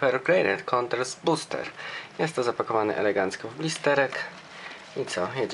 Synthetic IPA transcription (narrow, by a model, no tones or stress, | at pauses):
ɛɾkɾɛjɾɛ̰ɾkʰɔnt̪ɛɾsbust̪ɛ̰ɾjɛst̪ːɔzapakɔvanɛ̰ʔɛ̰lɛɡant̪skɔvblʲist̪ɛɾɛk | it̪sɔjɛd͡ʑ